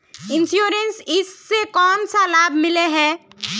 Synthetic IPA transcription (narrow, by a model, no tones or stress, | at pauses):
ɪ̃nʃjuːɾensɪsːekɔːnsalaːbʱmɪleɦɛː